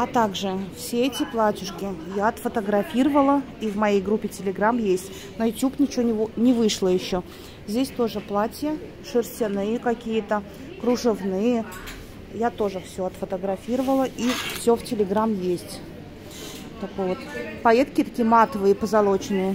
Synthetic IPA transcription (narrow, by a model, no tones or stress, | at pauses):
ɐt̪aɡʐɨfsʲeɛtʲɪplˠatʲʊʂkʲɪjaɐt̪fət̪əɡɾɐfʲiɾəvəlˠə | ivmɐjejɡɾupʲːɪtʲɪlʲɪɡɾamjesʲtʲ | nəjʊt̪ʲupnʲɪt͡ɕɪvʲonʲɪnʲɪvɨʂlˠəjɪɕːo | zʲdʲesʲt̪o̞ʐɨplˠatʲjə | ʂɨrsʲtʲɪnɨjəkɐkʲijət̪ə | kɾʊʐɨvnɨjə | jat̪oʐɨfsʲoɐt̪fət̪əɡɾɐfʲiɾəvəlˠəʔifsʲoftʲɪlʲɪɡɾamjesʲtʲ | t̪ɐkojvot̪pɐet̪kʲɪt̪ɐkʲijəmat̪əvɨjəpəzɐlˠot͡ɕɪnɨjə